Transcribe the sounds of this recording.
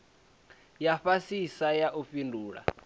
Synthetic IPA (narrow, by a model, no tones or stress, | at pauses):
jaɸasisajaʔuɸinduːɺa̰